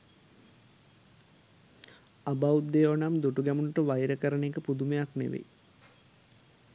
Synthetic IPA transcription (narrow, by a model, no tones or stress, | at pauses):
abaud̪ːeːʋonamd̪uʈuɡæmunuʈəʋajɾəkəɾənekəpud̪umejaknḛʋḛj